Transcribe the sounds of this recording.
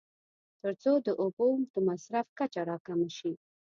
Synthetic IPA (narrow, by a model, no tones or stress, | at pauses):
t̪əɾt͡sod̪əʔobomd̪̥əmasɾafkat͡ʃaɾɑkamaʃi